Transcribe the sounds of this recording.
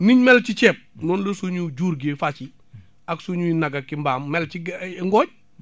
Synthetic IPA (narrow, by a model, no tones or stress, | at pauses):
niɲmɛlt͡ʃit͡ʃɛːp̚nɔːnlɐsuɲud͡ʒuːɾɡefat͡ʃi | aksuɲuinaɡakimbaːmːɛlt͡ʃiɡŋɡɔːɟ̚